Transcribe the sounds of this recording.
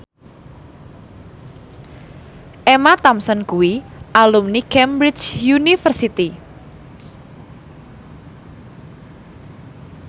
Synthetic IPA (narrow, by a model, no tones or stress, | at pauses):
ʔemat̪amsɔnkuwiʔalumnikɛmbɾit͡ʃjunifərsit̪i